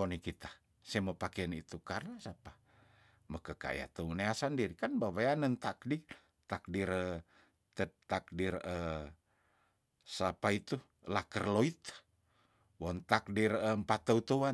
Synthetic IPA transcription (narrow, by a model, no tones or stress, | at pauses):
onikit̪ḁ | sɛməpakeənit̪ukarnasapa | məkəka̰j̰a̰t̪əuneasandiɾikanbawajanənt̪ak̚di | t̪ak̚diɾə | t̪ət̪ak̚dirə | sapait̪u | lakərloit̪ | wɔnt̪ak̚dirəmpat̪ːəut̪əwa